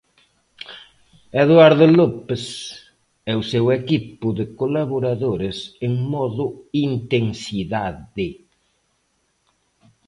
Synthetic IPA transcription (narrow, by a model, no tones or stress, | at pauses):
eðwaɾðʊlopɪs | ɛʊsewɛkipʊðɪkolaβoɾaðoɾɪseŋmɔðʊint̪eŋsiðaðɪ